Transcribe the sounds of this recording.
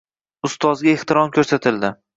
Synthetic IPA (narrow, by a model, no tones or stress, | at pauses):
ʊst̪ʰɒzɡʲaeht̪ʰɪɾɒmkʰʲɵɾsat̪ʰɪld̪ɪ